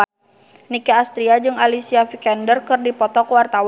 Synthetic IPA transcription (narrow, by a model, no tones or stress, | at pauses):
nikaːst̪ɾiad͡ʒɨŋalisiafikɛndərkɨrdipɔt̪ɔkəwart̪aw